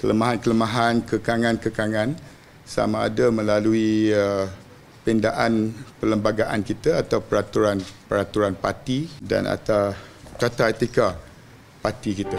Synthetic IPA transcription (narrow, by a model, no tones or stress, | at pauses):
kələmaɦankələmãɦankəkaŋãnkəkaŋãn | sa̰mãːdamə̃laluiə | pindaʔanpələmbaɡaʔankit̪aat̪awpəɾat̪uɾanpəɾat̪uɾanpat̪ida̰na̰t̪atat̪aet̪ika | pat̪ikit̪a